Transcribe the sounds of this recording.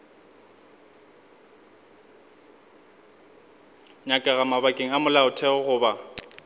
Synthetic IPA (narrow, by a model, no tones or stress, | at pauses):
ɲakʼaɣamabakʼeŋ̩amʊlaʊtʰɛɔɣʊːba